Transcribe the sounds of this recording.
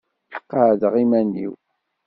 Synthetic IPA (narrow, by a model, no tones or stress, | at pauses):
lə̥qːɑðəʁimænːḭw